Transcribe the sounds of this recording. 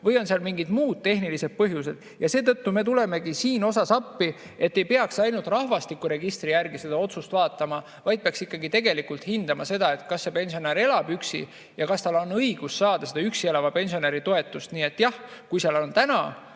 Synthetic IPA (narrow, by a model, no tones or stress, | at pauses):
vɤjo̞nseɑlmiŋɡid̪̥muːd̪̥̚t̪e̞ɦnilise̞d̪̥̚pɤɦjuse̞d̪̥ | jɑse̞ːt̪ɤ̞t̪ːume̞t̪ule̞me̞ɡisiːno̞sɑsɑpːi | e̞t̪ːe̞jpeɑksɑjnult̪rɑhvɑst̪ikːˑuɾe̞ɡist̪rijærɡise̞d̪ɑo̞t̪sust̪vɑːt̪ːˑɑmɑ | vɑjd̪̚peɑksikːɑɡit̪e̞ɡ̥e̞likult̪hind̪̥ɑmɑse̞d̪ɑe̞t̪kɑsːe̞pe̞nʲsioneɾe̞lɑb̥yksḭ | jɑkɑst̪ɑlo̞nɤiɡ̥usːɑːd̪̥ɑse̞d̪ɑyksielɑvɑpe̞nsio̞neɾit̪oe̞t̪ːˑust̪niːe̞t̪ːˑjɑhkujseɑlo̞nt̪ænɑ